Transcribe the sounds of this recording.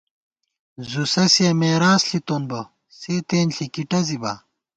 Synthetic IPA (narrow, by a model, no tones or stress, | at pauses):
zusɐsijɐmeːɾaːsɬit̪onbo | seːt̪eːnɬikiʈɐzibɐ̰